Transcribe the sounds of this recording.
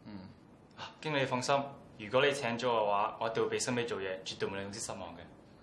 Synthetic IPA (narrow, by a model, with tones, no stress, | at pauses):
aː˨˩kɪ˥ŋle˨˧jfɔ˧ŋsɐ˥m | jyː˨˩kʷɔː˨˥le˨˧jt͡sʰɛː˨˥ŋt͡ʃɔ˨˥kɛ˧waː˨˥ŋɔː˨˧˥t̪e˨ŋwpe˨jsɐ˥ŋme˥jt͡ʃo˨wjɛː˨˧t͡ʃy˨t̪ːo˧jm̩˨˧lʊ˧˥ŋsi˥sɐ˥t̚mɔ̰ː˨ŋkɛː˧